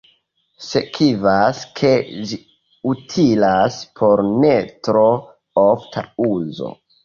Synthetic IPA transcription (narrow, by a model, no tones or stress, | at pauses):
sekʰivaskʰe̞d͡ʒi | utʰilaspʰo̞ɾnetɾo | oftʰa̰uzo̞̰